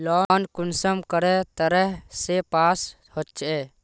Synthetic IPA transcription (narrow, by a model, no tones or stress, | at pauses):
lɔːnkʊnsəmkəɾɛt̪əɾɛɦsepaːs | hɔt͡ʃɛ